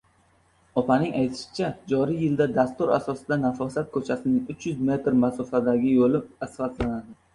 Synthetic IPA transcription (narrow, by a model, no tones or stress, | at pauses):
ɒpʰanɪŋajt̪ʰɪʃɪ̥t͡ʃʰad͡ʒɒɾijjɪld̪ad̪ast̪ʊɾa̰sɒsɪd̪anafɒsat̪̚kʰɵt͡ʃʰasɪnɪŋʊt͡ʃʰjʊzme̞t̪ɾmasʊfad̪aɡʲɪjolɪasfat̪lanad̪ɪ